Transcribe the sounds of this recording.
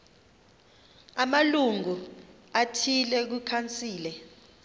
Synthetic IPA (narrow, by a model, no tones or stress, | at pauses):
amaluŋu | atʰilɛk̬ukʰant͡sʼiːlɛ